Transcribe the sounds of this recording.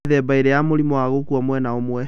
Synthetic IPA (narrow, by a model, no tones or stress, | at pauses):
ðɛbaiɾɛjamoɾimɔaɣokuɔmwɛnaomwɛ